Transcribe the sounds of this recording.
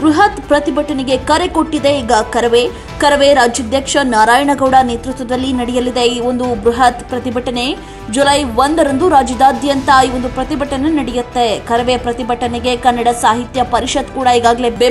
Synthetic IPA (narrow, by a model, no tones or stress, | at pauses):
bɾuɦɐt̪pɾɐt̪ibɐʈɐneɡe̞kɐɾekoʈːid̪e̞iːɡɐkɐɾɐʋe | kɐɾɐʋeɾaːd͡ʒjɐd̪ʱjɐkʂɐnaːɾaːjɐɳɐɡɐʋɽɐneːt̪ɾut̪ʋɐd̪ɐlːinɐɽijɐlːid̪eio̞nd̪ubɾuɦɐt̪pɾɐt̪ibʱɐʈɐne̞ | d͡ʒulɐjʋond̪ɐɾɐnd̪uɾaːd͡ʒɐd̪aːd̪ʱjɐnt̪ɐiːʋond̪upɾɐt̪ibɐʈɐnenɐɽijut̪ːekɐɾɐʋepɾɐt̪ibɐʈɐneɡe̞kɐnːɐɽɐsaːɦit̪jɐpɐɾiʃɐd̪kuːɽɐiːɡaːɡɐle̞be